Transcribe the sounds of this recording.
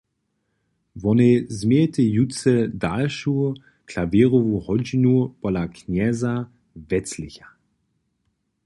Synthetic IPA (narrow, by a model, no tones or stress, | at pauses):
vɔnezmɛt̪əjut͡sɛdalʃu | kʰlaviːʁɔvuhɔd͡ʒinupɔlaknɛza | vɛt͡slɪçḁ